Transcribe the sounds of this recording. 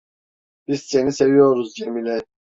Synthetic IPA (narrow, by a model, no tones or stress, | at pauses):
b̥izse̞nise̞vijo̞ɾuzd͡ʒemilʲɛ